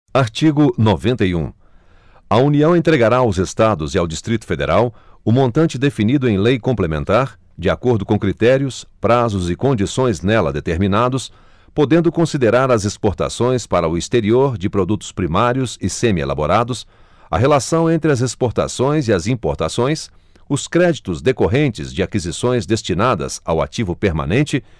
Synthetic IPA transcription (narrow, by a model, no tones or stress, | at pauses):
aɾt͡ʃiɡʊnovẽnt̪ɐjṵ̃ | ɐuniɐ̃w̃ẽnt̪ɾeɡaɾaawzest̪ad̪ʊzɪawd͡ʒist̪ɾit̪ʊ̥fed̪ḛɾawʊmõnt̪ɐ̃nt͡ʃɪd̪efinid̪ʊẽj̃lejkõmplemẽnt̪aɾ | d͡ʒɪakoɾd̪ʊkõkɾit̪ɛɾiʊspɾazʊzɪkõnd͡ʒisõj̃znɛlɐ̰d̪et̪eɾmĩnad̪ʊs | pod̪ẽnd̪ʊkõsid̪eɾaɾɐzespoɾt̪a̰sõj̃spaɾɐʊist̪eɾioɾd͡ʒɪpɾod̪ut̪ʊ̥spɾimaɾjʊsɪsẽmiḛla̰boɾad̪ʊs | ɐ̰ɦelasɐ̃w̃ẽnt̪ɾɪɐzespoɾt̪a̰sõj̃zɪɐzĩpoɾt̪asõj̃s | ʊskɾɛd͡ʒit̪ʊzd̪ekoɦẽnt͡ʃɪzd͡ʒɪakizisõj̃zd̪est͡ʃinad̪ɐ̰za̰wa̰t͡ʃivʊpeɾmã̰nẽnt͡ʃɪ